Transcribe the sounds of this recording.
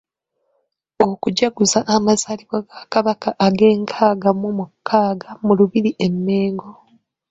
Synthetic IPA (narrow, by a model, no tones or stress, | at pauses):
okuɟaɡuzaʔːmazaliβwaɡakaβakaʔaɡe̞ːŋkʰaːɡamumukʰːaːɡamuluβiɾiʔe̞mːe̞ːŋɡo̞